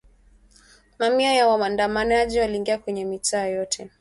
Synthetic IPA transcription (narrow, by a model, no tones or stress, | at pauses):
mamiajawaandamanaʄiwaliːŋɡiakwɛɲɛmitʰaːjjɔtʰɛ